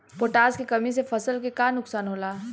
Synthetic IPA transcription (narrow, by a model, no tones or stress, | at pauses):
poːʈaːzkekɐmisefɐsəlkekanʊksaːnɦoːlaː